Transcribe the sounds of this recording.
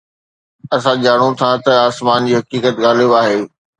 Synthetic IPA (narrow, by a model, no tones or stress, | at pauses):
ɐsãd͡ʑaːɽ̃ot̪ʰat̪ɐaːsmaːnd͡ʑiːɦɐkiːkət̪ɣaːl̤joaːɦeː